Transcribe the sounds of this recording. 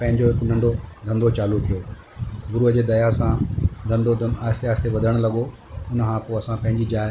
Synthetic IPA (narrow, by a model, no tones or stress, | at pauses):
pɐ̃ɦɪ̃ɲd͡ʑoɦɪkʊnɐ̃ɳɖod̪ʱɐ̃nd̪ot͡ɕaːlukijo | ɡʊɾuːɦəd͡ʑeːd̪ɐjasãd̪ʱɐ̃nd̪od̪aːɪst̪eaːst̪ʰeʋɐd̪ʱəəɽ̃lɐɠoʊnkʰãpoɐsãpɐ̃ɦɪ̃ɲd͡ʑid͡ʑaːɪ